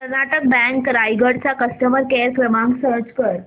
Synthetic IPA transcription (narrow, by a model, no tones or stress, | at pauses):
kəɾnaʈək̚bɛ̃ŋkɾajɡəɽt͡sakəsʈəməɾkeɾkɾəmãŋɡsəɾt͡ɕkəɾ